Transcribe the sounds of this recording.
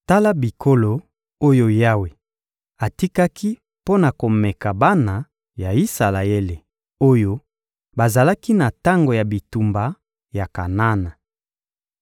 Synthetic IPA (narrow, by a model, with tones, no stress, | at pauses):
ta˦la˦bi˨kʰo˦lo˨ | o˦jo˦ja˦we˨ | a˨ti˦ka˦kʰi˦ | po˦na˨ko˨mɛ˨ka˨ba˦na˨ | ja˨i˦sa˨la˨e˦le˨ | o˦jo˦ | ba˨za˨la˦ki˦na˨ta˦ŋɡo˨ja˨bi˨tu˨mba˨ | ja˨ka˨na˦na˨